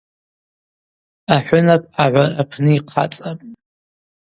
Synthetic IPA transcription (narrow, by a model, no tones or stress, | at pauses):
aħʷʊnapʼaʕʷarapʰnɨiqʰa̰t͡sʼapʼ